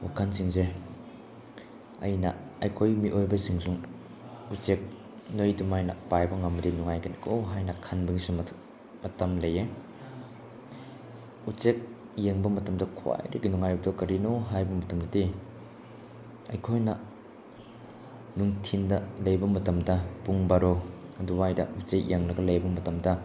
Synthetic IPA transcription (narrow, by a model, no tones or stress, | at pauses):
wa̰kʰansiŋze | ɐjnɐɐjkʰojmiʔojbɐsiŋsuŋ | ut͡ʃek̚ | nojdumajnɐ̰pajbɐŋamɾinuŋajkɐnkowɦajnɐkʰanbɐɡisum | mɐtɐmlɐje | ut͡ʃek̚ | jeŋbɐmɐtɐmdɐkʰwa̰jɾɐ̰ɡinuŋajp̚tokɐɾinoɦajbɐmɐtɐmdɐdi | ɐjkʰojnɐ | nuŋtʰindɐlɐjbɐmɐtɐmdɐpuŋbaɾoɐduwajdɐ̰ut͡ʃek̚jeŋlɐɡɐlɐjbɐmɐtɐmdɐ